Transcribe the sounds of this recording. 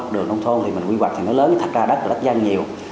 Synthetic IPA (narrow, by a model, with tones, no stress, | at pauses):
k͡p̚ɗɨ˨˩əŋɗə˧wŋ͡mt̪ʰo˧nt̪ʰi˨˩mi˨˩ŋkwi˧wa˨˩k̪̚ʰːnəː˨˦˥ləː˨˦n˩t̪ʰa˨˩k̚zaː˧ɗə˦˥t̚ɗə˦˥t̚za˧ŋɲi˨˩əw